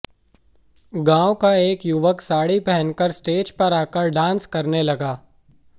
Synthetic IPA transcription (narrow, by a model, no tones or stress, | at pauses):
ɡãːwkaeːkjʊʋəksaːɽipɛɦə̃nkəɾsʈeːd͡ʒpɐɾaːkəɾɖãːnskɐɾnelɐɡaː